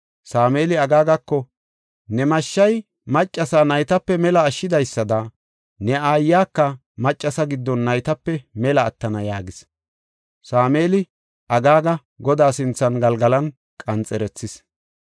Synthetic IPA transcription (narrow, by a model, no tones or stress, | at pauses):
saːmeːlɪɐɡaːɡɐkːɔ | nɛmɐʃːɐj | mɐt͡ʃʼːɐsaːnɐjt̪ɐpːɛmɛlɐːʃːɪd̪ɐjsːɐd̪ɐ | nɛaːjːaːkːɐ | mɐt͡ʃʼːɐsɐɡɪd̪ːɔnːɐjt̪ɐpːɛmɛlɐːt̪ːɐnɐjaːɡɪs | saːmeːlɪ | ʔɐɡaːɡɐ | ɡɔd̪aːsɪnt͡sːɐnɡɐlɡɐlɐn | kʼɐnt͡sʼɛɾɛt͡sːɪs